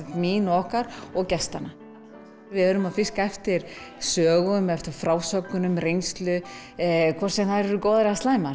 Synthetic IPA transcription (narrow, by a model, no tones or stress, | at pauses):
miːnɔhkaɾɔɣcɛst̪a̰na | vɪðɛɾʏmaðfɪskaɛft̪ɪɾ̥sœːɣʏmɛft̪ɪɾ̥fɾaːwsœkʏnʏmrejnst̪lʏ | kʰɔr̥sɛmθaðɾɛɾʏkowðaɾɛast̪laːjma